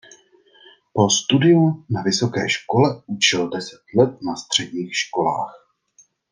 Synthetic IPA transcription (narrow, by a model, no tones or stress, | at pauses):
po̞st̪udɪunavɪso̞kɛ̰ːʃko̞lɛut͡ʃɛldɛsɛ̥t̪lɛt̪̚nast̪r̝̥ɛɟɲiːxʃko̞la̰ːx